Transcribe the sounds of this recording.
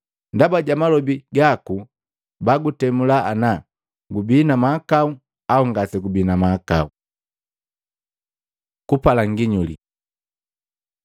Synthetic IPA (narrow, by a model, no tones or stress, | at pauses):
ndabaɟamalɔbiɡaku | baɡutɛmulaʔana | ɡubiːnamakau | auŋɡasɛɡubinamakau | kupalaŋɡiɲulḭ